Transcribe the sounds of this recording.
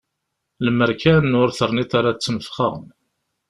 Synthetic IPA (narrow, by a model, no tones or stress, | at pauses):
ləməɾkænnʊɾθəɾˤnit̪aɾat͡sːəmfχə̰ʁm